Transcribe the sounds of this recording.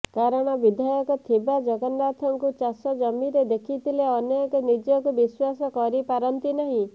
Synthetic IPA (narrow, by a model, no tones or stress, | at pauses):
kaɾɔɽ̃ɔbid̪ʱajɔkɔt̪ʰibad͡ʒɔɡɔndat̪ʰɔŋkut͡ʃasɔd͡ʒɔmiɾed̪ekʰit̪ʰileɔnjɔkɔnid͡ʒɔkubiswasɔkɔɾipaɾɔnt̪inaɦĩ